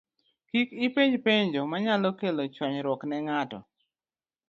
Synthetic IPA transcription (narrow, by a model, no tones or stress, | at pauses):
kikɪpeɲpeɲd͡ʒomaɲalɔkelot͡ʃwaɲɾɔknɛŋatɔ̰